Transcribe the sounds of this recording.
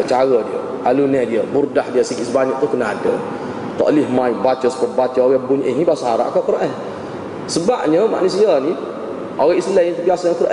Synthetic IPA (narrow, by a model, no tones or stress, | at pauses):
t͡ʃaɣədiə̰ | ʔalunɛdiəburdahdiəsikɪsəbaɲəʔ̚t̪uhkənaadə̰ | t̪ɔ̰ʔlɪhmãjbat͡ʃəsə̥pəbat͡ʃəoɣɛbuɲʔɪhnibasəɦaɾa̰ʔakaʔkəɾaʔɛh | səbap̚ɲəma̰ʔnusiani | ʔoɣaislɛɲət̪ubiasajaŋkəɾaʔ